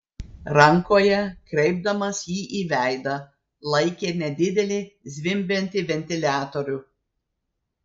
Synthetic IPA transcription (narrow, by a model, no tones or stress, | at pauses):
ɾɐŋkoːjɛkɾʲɛɪb̚d̪ɐmɐsjiːʔiːʋʲæˑɪd̪ɐ | lˠɐɪkʲeːnʲɛd̪ʲɪd̪ʲɛlʲɪzʲʋʲɪmʲbʲɛnʲt̪ʲɪʋʲɛnʲt̪ʲɪlʲæːt̪oɾʲʊ